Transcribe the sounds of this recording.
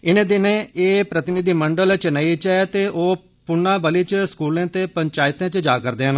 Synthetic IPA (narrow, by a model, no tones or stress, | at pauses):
ɪnẽːd̪ɪnẽːeːpɾət̪ɪnɪd̪iːməɳɖəlt͡ʃənəit͡ʃɛt̪eːʔoː | pʊɳːãːbəliːt͡ʃskuːlẽːt̪eːpəɲt͡ʃaːɪt̪ẽːt͡ʃd͡ʒaːkəɾd̪eːən